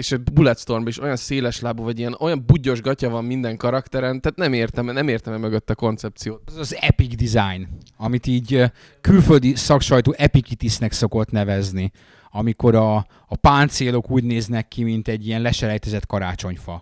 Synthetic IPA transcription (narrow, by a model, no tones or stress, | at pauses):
eʃɛbulɛt̪st̪o̞rmbɒiʃo̞jɒnseːlɛʃlaːbovɒɟijɛno̞jɒmbuɟo̞ʒɡɒcɒvɒmmind̪ɛŋkɒɾɒkt̪ɛɾɛnt̪aːt̪nɛmeːrt̪ɛmɛnɛmeːrt̪ɛmɛmøɡøt̪ːɛko̞nt̪sɛp̚tsijoːt̪zɒzɛpiɡd̪izajn | ɒmit̪iːɟ | kylføld̪isɒkʃɒjt̪oːʔɛpikit̪isnɛkso̞ko̞t̪nɛvɛzni | ɒmiko̞ɾɒː | paːnt̪seːlo̞kuːɟneːznɛkːimint̪ɛɟːiɛnlɛʃɛɾɛjt̪ɛzɛt̪kɒɾaːt͡ʃo̞ɲfɒ̰